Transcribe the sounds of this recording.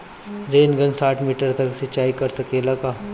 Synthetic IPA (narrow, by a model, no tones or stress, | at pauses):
ɾeːnɡə̃nsaːʈʰmiːʈəɾt̪ɐksɐt͡ʃaːikɐɾsɐkeːlaɡaː